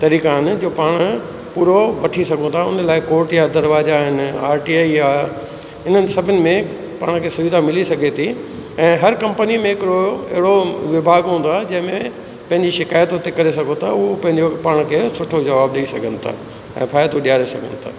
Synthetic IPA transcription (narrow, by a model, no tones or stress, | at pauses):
t̪ɐɾiːkaɦɪnɪ̆d͡ʑoːpaːɽ̃ʊ | puːɾoʋɐʈʰisɐɡʱõt̪ʰaʊ̰nəlaːɪkoːɾʈjad̪ɐɾʋaːzaɦɪnaːɾʈiaːija | ɪn̤ənɪ̆sɐbʱɪnɪ̆mẽ | paːɽ̃kʰeːsʊʋɪd̪ʱamɪlisɐɡʱet̪ʰi | ɛ̃ːɦɐɾkɐ̃mpənimẽɦɪkɪɾoɪ̰ɦɪɽoʋɪbʱaːɡɦũːnd̪oaːd͡ʑɐ̃ɦɪ̃mẽ | pɐ̃ɦɪ̃ɲd͡ʑiʃɪkaːjt̪ɦʊt̪ekɐɾes̬ɐɡʱõt̪ʰaʊopɐ̃ɦɪ̃ɲd͡ʑopaːɽ̃kʰeːsʊʈʰod͡ʑɐʋaːb̚ɗɐisɐɡʱənɪ̆t̪ʰa̰ː | ɛ̰̃ːpʰaːɪd̪õɗijaːɾesɐɡʱə̰nɪ̆t̪ʰa̰ː